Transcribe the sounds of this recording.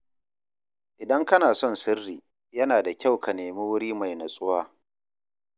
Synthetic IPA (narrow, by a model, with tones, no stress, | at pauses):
ʔɪ˨dɐ˦ŋkɐ˦naː˨sɔ˦˨nsɪ˦rːiː˨ | jɐ˦naː˨da˨kʲa˦˨wkɐ˨neː˨mi˦wʊ˦ɽiː˦ma˨jna˨sʼʊ˦waː˦